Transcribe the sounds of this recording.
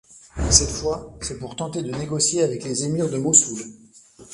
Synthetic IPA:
sɛt̪fwasɛpuʁt̪ɑ̃t̪ed̪əneɡɔsjeavɛklezemiʁd̪əmosul

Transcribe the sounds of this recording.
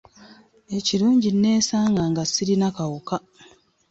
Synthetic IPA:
e̞ciɾuːɲɟinːe̞ːsaːŋɡaŋɡasiɾinakawuka

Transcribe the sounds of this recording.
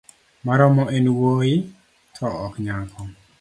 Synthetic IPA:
maɾɔmɔʔenwoɪ | tʰɔɔkɲaŋkʰɔ

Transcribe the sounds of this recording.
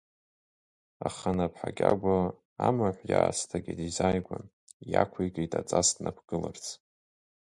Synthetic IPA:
aχanapʰħaɡʲʼaɡʷo | amaħʷjaːstʰaɡʲidizajɡʷan | jakʷʰijɡʼejtʼat͡sʼasdnapʰɡ̥ɨlart͡sʰ

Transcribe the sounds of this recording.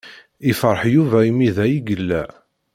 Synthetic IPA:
ɪfɾˤəħjuvæimiðæjiɡəlːæ

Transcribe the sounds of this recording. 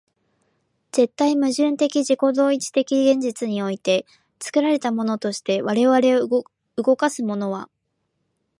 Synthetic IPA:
z̥e̞t̪ːaimɯ̟ʑɨ̃nt̪e̞kʲiʑiko̞d̪o̞ːit͡ɕi̥t̪e̞kʲiɡẽ̞ɲ̟d͡ʑit͡sɨɲ̟io̞it̪e̞ | t͡sɨ̥kɯ̟ɾaɾe̞t̪amo̞no̞t̪o̞ɕi̥t̪e̞βaɾe̞βaɾe̞o | ɯɡo̞kasɨmo̞no̞βa̰

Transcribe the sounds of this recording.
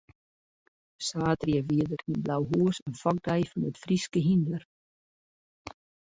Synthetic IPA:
saːtriəʋiədərinblawɦuəsənfɔk̚dɛjfɑnətfriskəɦindlər

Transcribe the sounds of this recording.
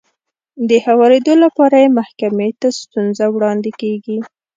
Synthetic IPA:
d̪əhawɑɾed̪olapɑɾajemahkamet̪ast̪unzawɽɑnd̪ɪkeɡi

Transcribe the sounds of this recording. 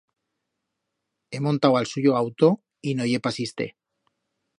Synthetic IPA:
e̞mont̪awalsuʝoawt̪o̞ | inoʝe̞pasist̪e̞̰

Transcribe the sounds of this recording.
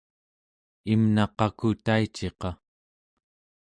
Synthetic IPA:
imnɑqɑkut̪ait͡ʃe̞qɑ

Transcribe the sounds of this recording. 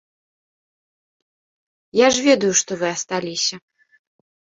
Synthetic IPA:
jaʐvʲɛd̪ujuʂt̪ɔvɨɐst̪alʲisʲɐ

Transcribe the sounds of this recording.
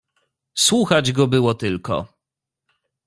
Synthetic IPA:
swuxad͡ʑɡɔbɘwɔt̪ɘlkɔ̰

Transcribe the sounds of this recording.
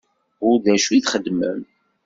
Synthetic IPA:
ʊɾðæʃiθχəd̪ːmə̰m

